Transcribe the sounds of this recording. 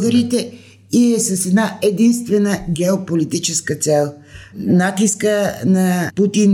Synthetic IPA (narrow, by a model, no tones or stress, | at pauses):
ɡəɾit̪ɛ | iɛsəsɛd̪naɛd̪inst̪vɛnəɡʲɛopolit̪it͡ʃɛskət̪sɛlˠ | nat̪iskənɐput̪in